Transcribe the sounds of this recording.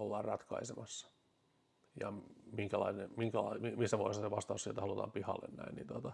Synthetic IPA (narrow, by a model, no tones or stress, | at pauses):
olːɑːrrɑt̪kɑisemɑsːɑ̥ | jɑ̰miŋkælɑinemiŋkælɑ̰imimisːæʋoist̪ɑseʋɑst̪ɑːssielt̪ɑlut̪ɑ̰ːmpihɑ̰lːḛnnæ̰innit̪ot̪ɑ